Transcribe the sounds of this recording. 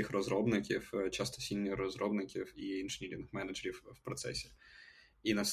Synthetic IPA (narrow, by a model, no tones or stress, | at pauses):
ixrɐzɾɔbnɪkʲift͡ʃast̪ɔ̥sʲilʲnʲixrɔzɾɔbnɪkʲifiinʐɨnʲiɾʲɪnɪxmɛnɐʐəɾʲɪfːpɾɔt̪sɛ̰sʲɪ̥ | inɐs